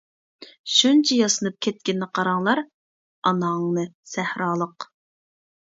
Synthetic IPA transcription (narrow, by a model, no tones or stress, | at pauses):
ʃunt͡ʃʰɛjɑsɨnɨp̚kʲʰɛt̪̚kʲɪnːɪqʰɑɾɑŋlˠɑɾ | ɑnɑŋnɨsæhɾɑːlˠəq